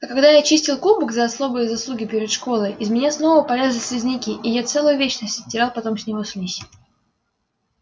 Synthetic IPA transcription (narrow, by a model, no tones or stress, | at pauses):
ɐkɐɡd̪ajat͡ɕisʲtʲɪlˠkubɨkzɐɐslo̞bɨjəzɐslˠuɡʲɪpʲɪɾʲɪt̪ʂko̞lˠəjʔɪzmʲɪnʲasno̞vəpɐlʲezʲlʲɪsʲlʲɪzʲnʲikʲɪʔɪjat̪sɛlˠʊjʊvʲet͡ɕnəsʲtʲə̥sʲtʲɪɾʲalˠpɐt̪o̞msʲnʲɪvo̞sʲlʲisʲ